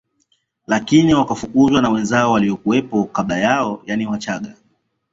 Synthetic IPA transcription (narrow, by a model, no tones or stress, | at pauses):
lakiniwakafukuzwanawɛnzaɔwaliɔkuɛpɔkaɓlajaɔjaniwat͡ʃaɠa